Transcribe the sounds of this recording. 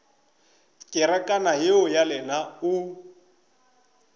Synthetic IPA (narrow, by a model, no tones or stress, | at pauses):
kʼɪɾakʼanajeʊjalɛnaʊ